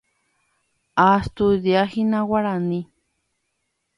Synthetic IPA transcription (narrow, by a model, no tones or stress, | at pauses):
ast̪ud̪iahinawaɾani